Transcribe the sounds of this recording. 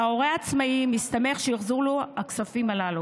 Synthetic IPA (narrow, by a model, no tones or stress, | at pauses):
ao̞ʁeat͡smaimist̪ame̞χʃejiχzuʁloaksafimalalu